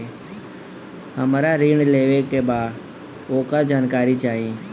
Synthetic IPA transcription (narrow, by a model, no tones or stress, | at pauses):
həmɾaɾiːɳleːʋekebaːd̪ | oːkad͡ʒaːnkaːɾit͡ʃaːɦĩ